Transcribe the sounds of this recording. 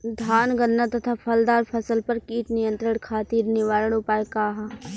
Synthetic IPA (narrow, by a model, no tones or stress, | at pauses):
d̪ʱaːnɡɐnːat̪ɐt̪ʰapʰɐld̪aːɾpʰɐsəlpɐɾkiːt̪nɪjə̃nt̪ɾəɽ̃kʰaːt̪iːɾnɪʋaːɾəɽ̃ʊpaːekaːɦa